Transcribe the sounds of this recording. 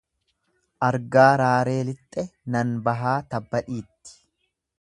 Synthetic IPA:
ʔɐɾɡaːɾaːɾe̞ːlɪt̪ʼːɛnɐnbɐɦaːt̪ɐbːɐᶑiːt̪ːɪ̥

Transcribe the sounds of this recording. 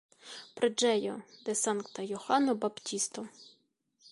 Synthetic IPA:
pɾɪd͡ʒɛjɔd̪ɛsɑnkt̪ɐjɔxɑnɔbɐptʲist̪ɔ

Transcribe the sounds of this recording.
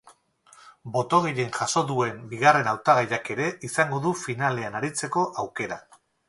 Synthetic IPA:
bo̞t̪o̞ɣiʎenʝaso̞d̪ue̞mbiɣ̞are̞nawt̪aɣ̞ajake̞ɾe̞ʔisaŋɡo̞ðufinale̞anaɾit͡se̞ko̞ʔawke̞ɾa

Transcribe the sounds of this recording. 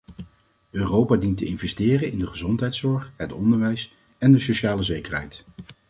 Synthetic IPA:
øːrowpaːdintəɪnvɛstɪːrənɪndəχəzɔntɦɛjtsɔɹχɦətɔndəɹʋɛjs | ɛndəsoʃaːləzejkəɹɦɛ̰jt

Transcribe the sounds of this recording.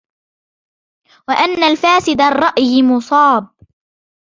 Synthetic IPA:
waʔanːalfaːsɪd̪arˤːɑʔjmʊsˤɑːb̚

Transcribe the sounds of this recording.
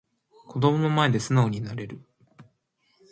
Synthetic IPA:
ko̞d̪o̞mo̞no̞mae̞d̪e̞sɨnao̞ɲ̟inaɾe̞ɾɯ̟

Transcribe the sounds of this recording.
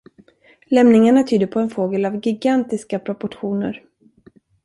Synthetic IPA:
lɛmnɪŋaɳat̪ʰyːd̪əɾpʰɔɛnfoːɡəlavɡɪɡant̪ɪskapʰɾɔpɔʈɧuːnə̰ɾ

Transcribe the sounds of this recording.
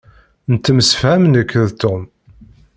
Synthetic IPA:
nət̪ːəməsfhæmnəkʰːəðt̪um

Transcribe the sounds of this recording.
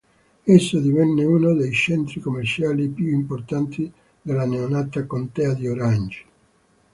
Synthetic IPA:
esːod̪ivɛnːeuːnod̪ejt͡ʃɛnt̪ɾikomːert͡ʃaːlipjuimport̪ant̪ʰi | d̪elːaneonat̪akont̪ɛːad̪ioɾand͡ʒi̥

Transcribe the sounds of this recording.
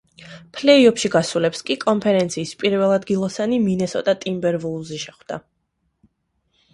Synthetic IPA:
pʰlɛiɔpʰʃiɡasulɛpskʼikʼɔnpʰɛɾɛnt̪sʰiːspʼiɾvɛlˠad̪ɡilˠɔsaniminɛsɔ̰t̪ʼat̪ʼimbɛɾvulˠziʃɛχwd̪̥a̰

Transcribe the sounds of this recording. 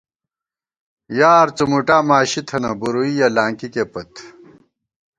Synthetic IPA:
jaːɾt͡sumuʈaːmaːɕit̪ʰɐnɐbuɾuijɐlaːŋkikepɐt̪

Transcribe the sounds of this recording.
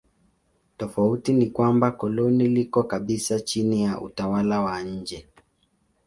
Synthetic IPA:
tɔfautinikwambakɔlɔnilikɔkaɓisat͡ʃinijaʔṵtawalawaɲ̩d͡ʒɛ

